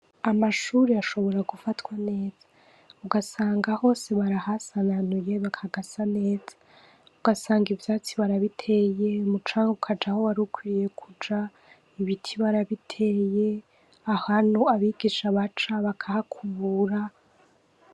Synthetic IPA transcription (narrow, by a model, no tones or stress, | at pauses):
amaʃuːɾeaʃo̞βo̞ɾaɡufatwane̞ːz̥ḁ | uɡasaːŋɡaho̞ːse̞βaɾahasananuje̞βakʰaɡasane̞ːz̥a | uɡasaːŋɡivjat͡siβaɾaβitʰe̞jemut͡ʃaːŋɡukʰad͡ʒahowaɾukwiije̞kʰud͡ʒa | iβitʰiβaɾaβitʰeje | ahanuaβiɡiːʃaβat͡ʃaβakʰahakʰuβuɾa